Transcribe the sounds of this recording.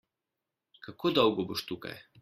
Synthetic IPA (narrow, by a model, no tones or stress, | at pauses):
kʰɐkoːd̪ɔwɡɔboʃt̪ukɐ̰j